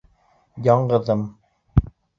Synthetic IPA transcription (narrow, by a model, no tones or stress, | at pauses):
jɑɴɢɤ̆ðɤm